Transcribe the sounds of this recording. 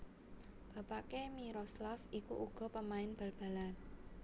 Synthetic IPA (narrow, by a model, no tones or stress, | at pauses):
b̥ä̤paʔkemiɾoslafikṵʔuɡ̥ɔ̤pəmaɪnb̥a̤lb̥a̤lan